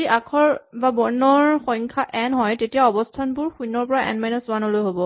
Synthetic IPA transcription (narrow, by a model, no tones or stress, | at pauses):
iʔakʰɔɹbabɔɹnɔɹxɔjŋkʰaʔɛnɦɔjtetijaɔbɔstʰanbʊɹxujnɔɹpɔɹaʔɛ̰nmajnɔswanɔlojɦobɔ